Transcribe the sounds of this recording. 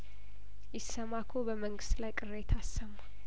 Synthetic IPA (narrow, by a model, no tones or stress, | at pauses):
jɪsːəmakʰobəməŋɡɨst̪lajkʼɨret̪ʰasːəmːa